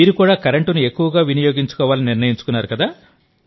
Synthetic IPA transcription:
miːɾukuːɽaːkɐɾeɳʈunue̞kːuʋɐɡaːʋinɐjo̞ːɡiɲt͡ʃu̥kɔːʋaːlɐniniɾnɐjiɲt͡ʃu̥kunːaːɾukɐd̪aː

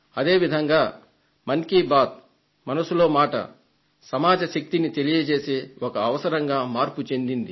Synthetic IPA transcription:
ɐd̪e̞ːʋid̪ʱɐŋɡaː | mɐŋkiːbaːt̪̚ | mɐnɐsulo̞ːmaːʈɐ̰ | sɐmaːd͡ʒɐʃɐk̚t̪init̪e̞lijɐt͡ʃe̞ːseːɔkɐːʋɐsɐɾɐŋɡaːmaːɾput͡ʃe̞nd̪ind̪i

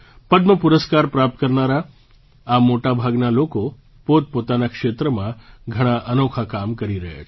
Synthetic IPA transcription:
pəd̪məpuɾəskaɾpɾap̚t̪̚kəɾnaɾaː | moʈabʱaɡnaloko | pot̪̚pot̪anakʃet̪ɾəmãɡʱəɽ̃aʔənokʰakamkəɾiɾəɦa̰

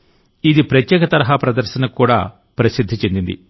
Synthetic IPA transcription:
id̪ipɾɐt̪jɛːkɐt̪ɐɾɐɦaːpɾɐd̪ɐɾʃɐnɐkuːɽa̰ː | pɾɐsid̪ʱːit͡ʃe̞nd̪ind̪ḭ

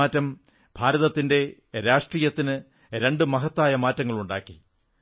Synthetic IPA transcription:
aːtːɐm | bʱaːɾɐðɐt̪ːinde̞ | ɾaːʂʈriːjɐt̪ːinɨ | ɾe̞ɳɖɨmɐɦɐt̪ːaːjɐmaːtːɐŋːɐɭuɳɖaːkːi

